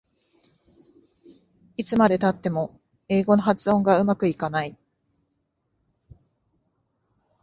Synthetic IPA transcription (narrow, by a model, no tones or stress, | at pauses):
it͡sɨmad̪e̞t̪at̪ːe̞mo̞ | e̞ːɡo̞no̞ɦat͡sɨõ̞ŋɡaɯ̟makɯ̟ikanai